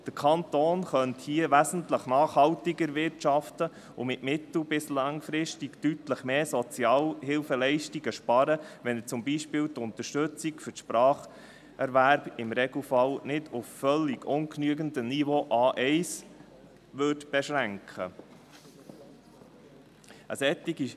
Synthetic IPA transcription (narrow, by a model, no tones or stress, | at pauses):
d̥əkʰɑnt̪oːnχœnthiːəʋæsən̩tləχnɑːχhɑltiɡəɾʋɪɾtʃɑftə | ʊmɪtmɪt̪l̩bɪslɑŋfɾɪstiktytləχmeːsɔt͡sjɑːlhɪlfəlɛɪʃtiɡəʃpɑɾəʋɛnət͡sʊmbiʃpɪːltʊnt̪əʃtɵt͡sikfʏtʃpɾɑːχ | ɛɾʋæɾb̥ɪmɾɛɡl̩fɑlnɪdʊfːœlːiɡʊnknyəɡəndənivoʔɑːʔɛɪs | ʋʏdb̥ɛʃɾæŋkχə̰ | əsɛt̪ːiɡi